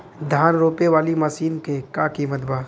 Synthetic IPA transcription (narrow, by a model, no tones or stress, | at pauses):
d̪ʱaːnɾoːpeʋaːlimasiːnkekaːkimɐt̪baː